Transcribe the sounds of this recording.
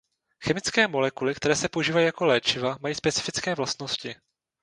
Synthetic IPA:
xɛmɪt͡skɛːmo̞lɛkulɪkt̪ɛɾɛːsɛpouʒiːvajiːjako̞lɛːt͡ʃɪvamajiːspɛt͡sɪ̥fɪt͡skɛːvlast̪no̞scɪ

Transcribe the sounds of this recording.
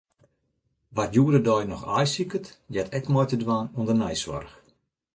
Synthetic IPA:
ʋatjuədədɔjnɔxajsikətjɛtʰɛkmɔjtədʋaːnuəndərnɛjsʋɔ̰rx

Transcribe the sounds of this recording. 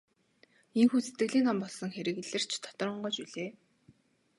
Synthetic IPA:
eŋxuːset̪ɡɘ̆ɮiːnampɔɮsɞ̆ŋxeɾɘ̆ɣɮɘ̆r̥t͡ɕʰt̪ʰɔ̥t̪ɞ̆rɞ̆ɴɢɔːt͡ɕuɮeː

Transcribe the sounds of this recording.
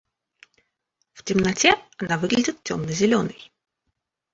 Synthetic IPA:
ftʲɪmnɐtʲɛɐnavɨɡlʲɪdʲɪt̪̚tʲomnəzʲɪlʲonɨj

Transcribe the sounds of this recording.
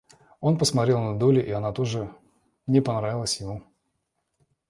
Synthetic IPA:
o̞npəsmɐt̪ɾʲe̞lˠnɐd̪olʲɪʔiɐnat̪oʐɨ | mnʲepɐnɾavʲɪlˠəsʲjɪmu

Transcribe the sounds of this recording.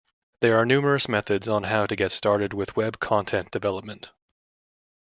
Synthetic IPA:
ðə˞ːnʉmə˞ɨsmɛθɨdzn̩ɦaʊɾɨɡɛtstɑɹɾɨd̚wɪðwɛb̚kʰɑ̃ntʰɛ̃nd̥ɨvɛlˠəp̚mə̃nt

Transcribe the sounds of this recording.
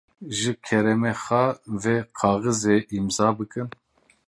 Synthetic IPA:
ʒɨkʰɛɾɛmexɛveqʰɑːɣɨzeʔimzɑːbɨkɨn

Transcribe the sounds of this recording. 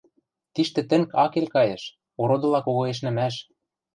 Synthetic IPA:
t̪iʃt̪ɘ̆t̪ɘ̆ŋkɑkelʲkɑjɤ̆ʃ | oɾod̪ɤ̆lɑkoɣɤ̆eʃ̬nɘ̆mæʃ

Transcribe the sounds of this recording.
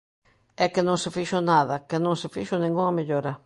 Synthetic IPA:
ɛkɪnõŋsɪfiʃʊnaðɐkɪnõŋsɪfiʃʊnĩŋɡuŋɐmeʎoɾɐ

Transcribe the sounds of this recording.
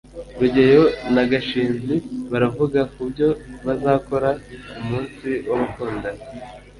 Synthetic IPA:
ɾuɟe̞jo̞naɡaʃiːnziβaɾavuɡakubɟo̞βazaːko̞ɾaumuːnsiwaβakuːnda

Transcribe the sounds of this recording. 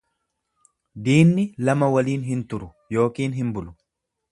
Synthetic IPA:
d̪iːnːɪlɐmɐwɐliːnɦɪnt̪ʊɾʊ | jo̞ːkiːnɦɪmbʊlʊ

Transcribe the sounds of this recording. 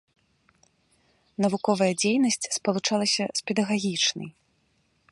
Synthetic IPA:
nɐvukɔvɐjɐd͡zʲejnɐsʲt͡sʲspɐlˠut͡ʂalˠɐsʲɐspʲɛd̪ɐɣaɣʲit͡ʂnɐ̰j

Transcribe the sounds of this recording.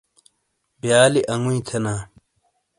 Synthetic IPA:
bjaːliʔɐŋuĩt̪ʰɐnaː

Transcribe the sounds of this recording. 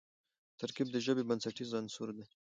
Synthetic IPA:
t̪ʰaɾkib̚d̪əʒəbebansaʈizɑnsuɾd̪e

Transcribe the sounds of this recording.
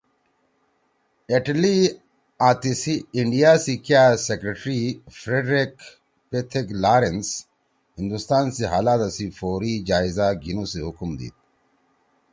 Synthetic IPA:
eʈli | aːt̪isiːɳɖijaːsikjaːsekɾeʈɾifɾeɖɾek | pet̪ʰeklaːɾens | hĩnd̪ust̪aːnseɦa̰ːlaːt̪asifoːɾid͡ʑaːizaɡʱinuːseɦʊkmd̪ḭːt̪̚

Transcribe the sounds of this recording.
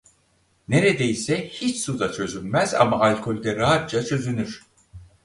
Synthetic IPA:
ne̞ɾed̪ejisɛhit͡ʃsud̪at͡ʃʰø̞zynmæza̰maalʲkʰo̞lʲd̪ɛɾaɦat̪̚d͡ʒat͡ʃʰø̞zynyɾ̥

